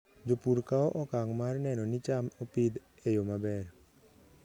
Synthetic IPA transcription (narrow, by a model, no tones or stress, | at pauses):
d͡ʒopuɾkaɔʔɔkaŋmarnɛnɔnit͡ʃamopid̪ | ejomabɛr